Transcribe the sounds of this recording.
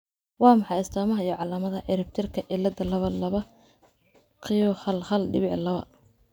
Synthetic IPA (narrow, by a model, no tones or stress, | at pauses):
wɑːmɑħɑjɪst̪ʰɔːmɐɦɐijɔʕɑlaːmɐðɐʕɪɾɪb̚t̪ʰɪrkʰɐʔɪlːɐd̪ɐlɐβɐlɐβɐ | qɪjɔhɐlhɐlɖɪβɪʕlɐβɐ̰